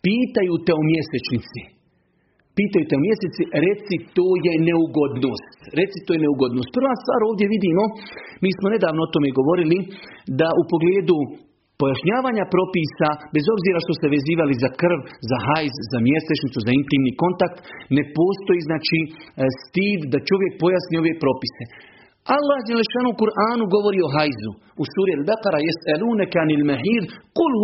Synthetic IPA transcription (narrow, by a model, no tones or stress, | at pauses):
piːt̪ajut̪eomje̞set͡ʃnit̪si | piːt̪ajuːt̪e̞omje̞set̪siɾe̞t̪sit̪oːje̞ne̞uɡo̞d̪noːst̪ɾe̞t̪sit̪ojeneuɡo̞d̪nost̪̚pr̩ʋaːst̪ʋaːɾo̞ːʋd̪je̞ʋid̪iːmo̞miːsmone̞d̪aːʋnoot̪o̞me̞ɡo̞ʋo̞ɾilid̪aʔupo̞ɡleːd̪u | po̞jaʃɲaːʋaːɲapɾo̞piːsabe̞zo̞bziːɾaʃt̪o̞seʋe̞ziːʋalizakr̩ʋzaɦajzzamje̞st̪et͡ʃnit̪suzaint̪iːmniko̞nt̪ak̚t̪ne̞po̞ːst̪o̞jiːznaːt͡ʃist̪iːd̪d̪at͡ʃo̞ʋje̞k̚pojasnioʋepɾo̞pise̞ | alˠːahd͡ʒeleʃaːnukuɾʔaːnuɡo̞ʋo̞ɾiːo̞ɦajzu | usuːɾialbaqaɾajesaluːnakanalmaɦiːd̪qul